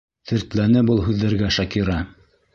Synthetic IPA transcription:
θɘ̆ɾt̪lænɘbɤlˠɦʉðːæɾɡæʃɑkiɾɑ

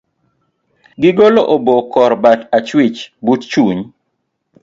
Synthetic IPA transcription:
ɡɪɡoloʔobokɔɾbatat͡ʃwɪt͡ʃbutt͡ʃuɲ

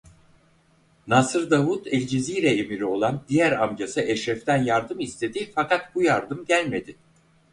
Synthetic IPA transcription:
nasɯɾd̪avut̪ʰɛlʲd͡ʒizijɾɛemiɾio̞lˠand̪ijæɾamd͡ʒasɯʔɛʃɾɛft̪ʰænjaɾd̪ɯmist̪ʰe̞d̪ifakat̪bujaɾd̪ɯmɟælʲme̞d̪ɪ

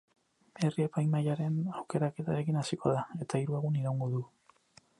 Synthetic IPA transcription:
e̞rie̞pajmajaɾe̞nawke̞ɾake̞t̪aɾe̞kinasiko̞ð̞ae̞t̪aiɾuaɣuniɾawŋɡo̞ðu

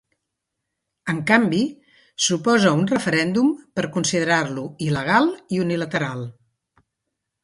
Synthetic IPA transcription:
əŋkambi | supɔzəunrəfəɾɛnd̪umpəɾkunsiðəɾarluiləɣ̞alˠiunilət̪əɾalˠ

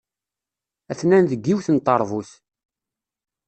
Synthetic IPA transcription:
æθnænðəɡːiwθənt̪ˤːɑɾˤvuθ

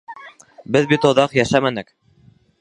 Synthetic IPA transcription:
bɘðbit̪ŏðɑqjæʃæmænɘk

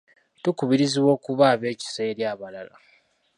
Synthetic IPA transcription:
tukuβiɾiziwo̞ːkuβaːβe̞ːci̥se̞ːɾjaːβalala̰

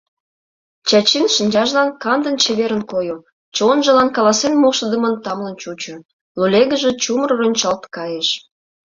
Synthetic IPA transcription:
t͡ɕɑt͡ɕinʃənʲd͡ʑɑʒlɑnkɑnd̪ənt͡ɕeβeɾənkoju | t͡ɕonʒə̆lɑnkɑlɑsenmoʃəd̪əmənt̪ɑmlənt͡ɕut͡ɕə̆ | lulʲeɣəʒet͡ɕumərronʲt͡ɕɑlt̪kɑjeʃ

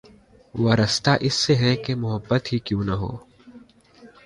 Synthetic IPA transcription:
ʋɐɾəst̪aʔɪsːeɦɛkemʊɦəbːət̪ɦikjõːnɐɦo̰ː

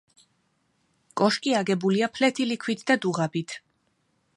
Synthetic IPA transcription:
kʼɔʃkʼiaɡɛbuliapʰlɛt̪ʰilikʰwit̪ʰd̪ad̪uʁabit̪ʰ

